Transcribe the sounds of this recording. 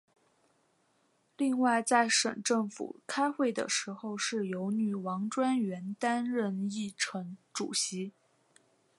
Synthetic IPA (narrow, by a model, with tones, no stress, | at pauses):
li˥˧ŋwa˥˧ɪt͡sa˥˧ɪʂə̰˨˩nʈ͡ʂɤ˥˩ŋfṵ˨˩kʰa˥ɪxwe˥˩ɪd̪ə̰˩ʂɻ̩˧˥xo˥˧ʊʂɻ̩˥˩jo˧˥ʊny˨˩wɑ˧˥ŋʈ͡ʂwa˥nɥɛ˧˥nt̪a˥nɻə˥˧ni˥˩ʈ͡ʂʰɤ˧˥ŋʈ͡ʂṵ˨˩ɕi˧˥